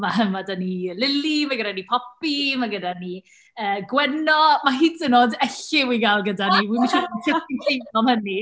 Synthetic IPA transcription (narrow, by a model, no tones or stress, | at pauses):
maɦəmadanilɪlimaɡədanipʰɔpimaɡədani | əːɡwɛnɔmaɦiːənodɛɬɪwiɡalˠɡədaniwimaʃiɔnkʰəinkʰejvɔmhəni